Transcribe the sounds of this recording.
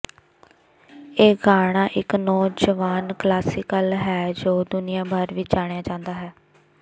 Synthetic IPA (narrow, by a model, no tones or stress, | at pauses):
eːɡaːɽ̃ãːʔɪknɔːd͡ʒəʋaːnklaːsɪːkəlɦɛːd͡ʒoːd̪ʊnɪjãːbaːɾʋɪt͡ʃd͡ʒaːɽ̃jãːd͡ʒãːnd̪aːɦɛː